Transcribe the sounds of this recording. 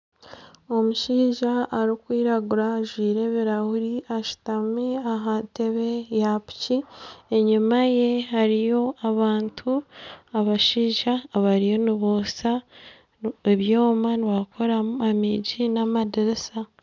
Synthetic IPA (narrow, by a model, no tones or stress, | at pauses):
o̞muʃiːʒaʔːɾikwiːɾaɡuɾaːʒwiːɾe̞βiɾahuɾiʔaʃu̥tameaɦante̞βe̞japi̥cie̞ɲimaje̞haɾijo̞aβaːntʰuaβaʃiːʒaβaɾijo̞niβosa | eβjo̞ːmaniβakʰo̞ɾamamiɟinamadiɾisa